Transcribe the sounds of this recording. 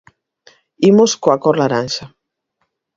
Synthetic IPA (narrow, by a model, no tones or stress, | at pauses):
imʊskoakoɾlaɾanʃa